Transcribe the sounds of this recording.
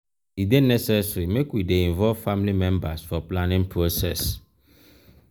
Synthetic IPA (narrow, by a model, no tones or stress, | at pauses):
idenɛsɛsɹimekwideĩɱvɔlvfamlimɛ̃mbasfɔplãnĩŋpɹosɛs